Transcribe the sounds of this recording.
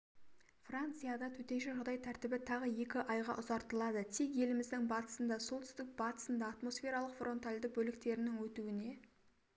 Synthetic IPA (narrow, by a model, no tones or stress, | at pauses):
frant̪sɨjad̪ɑt̪ʰɵt̪e̞nʃɪʒʊʁd̪ɑjt̪ʰæɾt̪ɪbɪt̪ʰɑʁəje̞kʲɪʔɑjʁɑ̰ʔʊzɑɾt̪əlˠɑd̪ət̪ʰekje̞lɪmɪzd̪ɪŋbɑt̪ə̥sənd̪ɑso̞lˠt̪ʰʏ̥st̪ɪk̚bɑt̪ə̥sənd̪ɑːt̪mo̞sfʲe̞ɾɑlˠəqfrʔo̞nt̪alʲd̪ɪbɵlɪkt̪e̞ɾɪnɪŋwɵt̪uwɪne̞